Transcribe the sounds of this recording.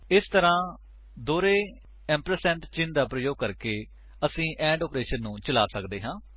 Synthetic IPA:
ɪst̪əɾãː | d̪oːɾeː | ɛ̃ːmpɾəsɛ̃ːɳʈt͡ʃɪnd̪aːpɾəjoːɡ̚kəɾkeː | əsĩːʔɛ̃ːɳɖɔːpɾeːʃənːũːt͡ʃəlaːsəkd̪eːɦãː

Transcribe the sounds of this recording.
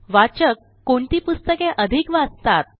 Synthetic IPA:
ʋat͡ɕəkːoɳt̪iːpust̪əkẽʔəd̪ʱikʋad͡zt̪at̪̚

